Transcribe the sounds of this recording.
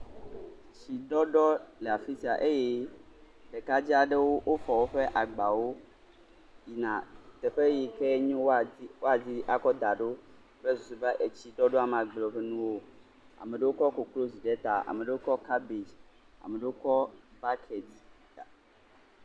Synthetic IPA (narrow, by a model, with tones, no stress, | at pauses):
t͡ɕi˨ɖɔ˦ɖɔ˦lɛ˨a˨fi˦si˨a˨ʔe˦je˦ | ɖe˨ka˦d͡ʑi˦a˨ɖe˦wo˦wʔo˦fɔ˨wo˦ɸe˦ʔa˨ɡ͡ba˨wo˦ | ji˨nã̰˨t̪ɛ˨ɸe˦ji˨kɛ˦ɲɔ̃˦wwo˦a˨d͡ʑi˦ʔa˨kɔ˦d̪a˨ɖo˦ | bɛ˦zu˨su˨ba˦ʔe˨t͡ɕi˦ɖɔ˦ɖo˦a˨m˨a˨ɡ͡blɔ˨ɸe˦nũ˦wo˦ | a̰˨me˨ɖe˦wo˦kɔ˦ko˨klo˦zi˨ɖe˦t̪a˨a̰˨me˨ɖe˦wo˦kɔ˦ka˦be˨ | a̰˨me˨ɖe˦wo˦kɔ˦ba˦kʰɛ˨di˦ | a˨